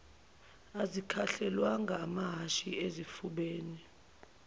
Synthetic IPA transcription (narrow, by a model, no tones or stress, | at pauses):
azikʰaɬɛlwaŋɡʱaːmaɦaʃiezifuɓeːni